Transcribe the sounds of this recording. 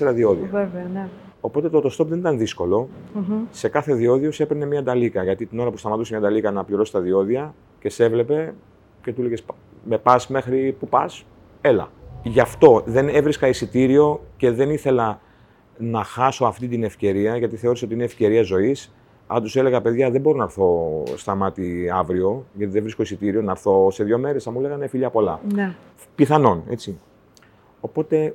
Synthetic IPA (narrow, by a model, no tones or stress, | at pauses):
eɾɐðio̞ðiɐveven | o̞po̞t̪e̞t̪ot̪o̞st̪o̞pðenit̪ɐnðisko̞lo̞ | se̞kɐθe̞ðio̞ðiose̞peɾne̞mɲɐd̪ɐlikɐʝɐt̪it̪ino̞ɾɐpust̪ɐmɐt̪usemɲɐd̪ɐlikɐnɐpliɾo̞si̥t̪ɐðio̞ðiɐ | ce̞se̞vle̞pe̞ | ce̞t̪uleʝes | me̞pɐsme̞xɾipupɐs | e̞lɐ̰ʝɐft̪o̞ðe̞ne̞vɾiskɐisit̪iɾio̞ce̞ðe̞niθe̞lɐ | nɐxɐso̞ɐft̪it̪ine̞fce̞ɾiɐʝɐt̪iθeoɾeso̞t̪iinefce̞ɾiɐzo̞is | ɐ̰t̪use̞le̞ɣɐpe̞ðʝɐðebo̞ɾo̞nɐɾθo̞st̪ɐmɐt̪iɐvɾio̞ʝɐt̪iðevɾisko̞isit̪iɾio̞nɐɾθo̞seðʝo̞me̞ɾe̞sɐmule̞ɣɐnefiʎɐpo̞lɐn | piθɐno̞ne̞̰t͡si | o̞po̞t̪e̞